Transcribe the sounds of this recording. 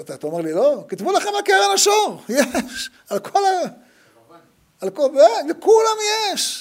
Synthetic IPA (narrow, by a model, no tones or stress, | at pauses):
t̪at̪aomeʁlilokit̪bulaχemakeʁalaʃoʁjeʃ | alkʰola | alkovelekulamjeʃ